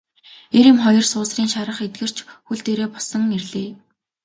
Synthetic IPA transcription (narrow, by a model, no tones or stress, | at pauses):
eɾɪ̆mχɔjɞ̆rsʊːsriːŋʃaɾə̆χet̪̚ɡɘ̆r̥t͡ɕʰxuɮt̪eːɾeːpɔsɞ̆ŋerɮeː